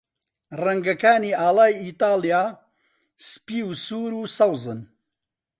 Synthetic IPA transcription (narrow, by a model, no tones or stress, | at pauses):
rɐŋɡɐkaːniːaːlaːjiːt̪aːlijaː | spiːusuːɾuːsɐwzɨn